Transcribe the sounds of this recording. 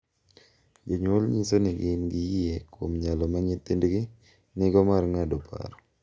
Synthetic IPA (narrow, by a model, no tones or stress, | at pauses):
d͡ʒoɲolɲisonɪɡɪnɡɪjɪekwomɲalɔmaɲet̪indɡɪ | nɪɡɔmarŋadopʰa̰ɾɔ